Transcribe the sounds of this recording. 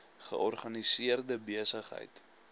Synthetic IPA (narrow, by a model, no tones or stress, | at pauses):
χə̰ʔɔrχɐnisiərdəbiəsəχɦə̰jt